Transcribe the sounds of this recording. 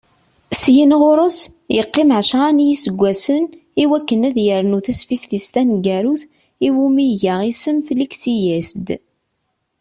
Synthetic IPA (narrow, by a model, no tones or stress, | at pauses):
sjinʁʊɾˤʊs | jəqːɪmʕʃʁanjisəɡʷːæsən | iwækːənæðjəɾnuθæsfifθist̪ænɡæɾuθ | iwumiʝaʁisəmfliksijæsd̪